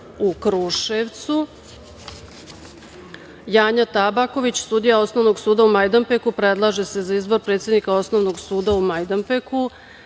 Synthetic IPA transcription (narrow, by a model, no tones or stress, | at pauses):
ukɾuʃeʋt̪su | jaːɲat̪abako̞ʋit͡ɕsuːd̪ijao̞sno̞ʋno̞ɡsuːd̪aumajd̪ampekupɾe̞d̪lˠaʒe̞se̞zaizbo̞ɾpɾet̪sʲjed̪nikao̞sno̞ʋnoɡsuːd̪aumajd̪ampeku